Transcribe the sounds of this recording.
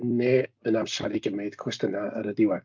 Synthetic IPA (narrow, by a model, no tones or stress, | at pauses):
neːənamsa̰ɾiɡəmeɨð̥kʰwɛstənaə̰ɾədɪwɛ